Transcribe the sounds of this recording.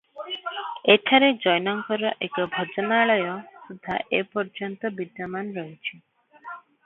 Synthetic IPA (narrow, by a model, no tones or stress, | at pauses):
eʈʰaɾed͡ʒɔjnɔŋkɔɾɔʔekɔbʱɔd͡ʒɔnaɭɔjɔsud̪ʱːa̰ʔepɔɾd͡ʒɔnt̪ɔbid̪jɔmanɾɔɦit͡ʃʰi